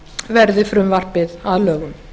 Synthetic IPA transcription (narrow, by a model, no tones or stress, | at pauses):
vɛɾðɪfɾʏmvar̥pɪðaðlœːɣʏm